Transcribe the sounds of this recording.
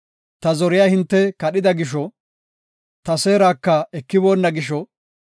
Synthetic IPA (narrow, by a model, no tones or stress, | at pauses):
t̪ɐzɔɾɪjaːhɪnt̪ːɛkɐɗɪd̪ɐɡɪʃ̬ɔ | t̪ɐse̞ːɾaːkːɐɛkːɪbo̞ːnːɐɡɪʃɔ